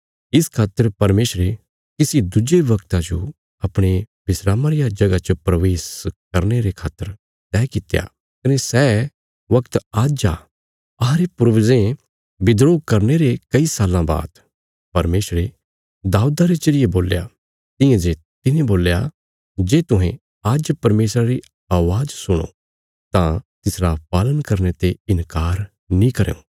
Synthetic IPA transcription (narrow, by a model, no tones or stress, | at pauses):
ɪskʰaːt̪ːəɾpɐɾmeːsɾe | kɪsid̪ʊd͡ʒeʋɐkt̪ãd͡ʒo̰ | ɐpɽ̃e | bɪsɾaːmãɾɪjad͡ʒɐɡat͡ʃəpɾɐʋeːskɐɾneɾekʰaːt̪ːəɾ | t̪ɛːkɪt̪eja̰ | kɐnesɛː | ʋɐkt̪aːd͡ʒa̰ | ɐɦãɾepʊɾʋzẽ | bɪd̪ɾoːɡ̚kɐɾneɾekɐisaːlãba̰ːt̪ | pɐɾmeːsɾe | d̪aːud̪aɾet͡ʃɐɾijeboːlja̰ | t̪ɪ̃jãd͡ʒe | t̪ɪnẽboːlja̰ | d͡ʒeːt̪ʊɦẽ | aːd͡ʒpɐɾmeːsɾaɾi | aːʋaːd͡ʒsʊɽ̃o̰ | t̪ãt̪ɪsɾapaːlənkɐɾnet̪eɪnkaːɾ | nĩkɐɾḛõ̰ː